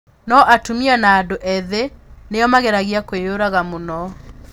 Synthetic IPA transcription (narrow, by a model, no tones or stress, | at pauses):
nɔʔatumiɔnaːdoʔɛðenejɔmaɣeɾaɣiakwejoɾaɣamonɔ